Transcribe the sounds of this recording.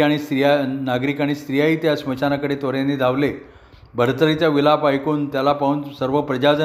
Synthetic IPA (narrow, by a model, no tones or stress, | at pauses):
aɽ̃ist̪ɾijanaɡɾiːkaɽ̃ist̪ɾijaiːt̪jasmət͡ɕanakəɽet̪oɾjaned̪ʱaʋle | bʱəɾt̪əɾit͡ɕjaʋilapajkuːnt̪jalapauːnsəɾʋəpɾəd͡ʑad͡zə